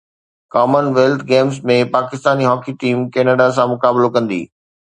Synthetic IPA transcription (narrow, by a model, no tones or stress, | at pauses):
kɔːmənʋeːlt̪ʰɡeːmzmẽpaːkɪst̪aːniɦɔːkiʈiːmkeːnəɖas̬ãmʊkaːblokɐ̃nd̪ḭː